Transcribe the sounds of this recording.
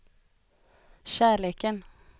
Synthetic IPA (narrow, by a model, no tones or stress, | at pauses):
ʃæːɭeːkən